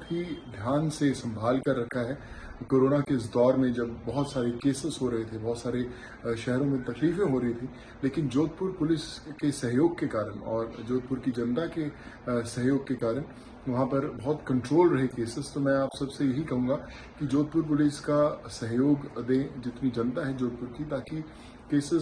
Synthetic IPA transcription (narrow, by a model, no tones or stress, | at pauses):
pɦid̪ʱjaːnsesɐ̃mbʱaːlkɐɾːɐkʰaɦɛː | koːɾoːnakeɪs̬d̪ɔːɾmẽd͡ʒɐbːɐɦʊt̪saːɾekeːsɪsɦoɾɐɦet̪ʰebɐɦt̪saːɾe | ʃɛɦɾõmẽt̪ɐkliːfẽɦoɾɐɦit̪ʰĩ | leːkɪnd͡ʒoːt̪̚pʊɾpʊlɪskesɐɦjoːɡ̚kekaːɾənɔːɾd͡ʒoːt̪̚pʊɾkid͡ʒɐ̃nt̪ake | sɐɦjoːɡ̚kekaːɾən | ʋɐɦãpɐɾbɐɦʊt̪kɐ̃ɳʈɾoːlɾɐɦekeːsɪst̪omɛ̃aːpsɐbsejɐɦikɐɦũːɡa | kid͡ʒoːd̪̚pʊɾp̬ʊlɪskasɐɦjoːɡd̪ẽd͡ʒɪt̪nid͡ʒɐ̃nt̪aɦɛd͡ʒoːd̪̚pʊɾkit̪aːki | keːsɪz